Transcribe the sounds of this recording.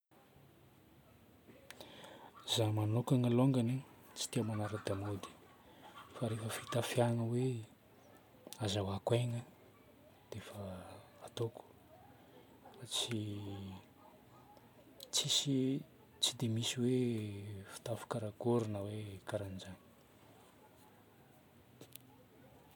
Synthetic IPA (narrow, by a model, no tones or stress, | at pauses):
zamanokaŋəloŋɡanit͡ʃi̥t̪iamanaɾad̪amod̪i̥ | faɾefəfit̪afjaŋəwe | azawakwajŋə | d̪̥efə | at̪oku̥ | at͡si | t͡sisi | t͡sid̪emisiwe | fi̥t̪afu̥kaɾaɡoɾinəwekaɾand͡ʒanə̥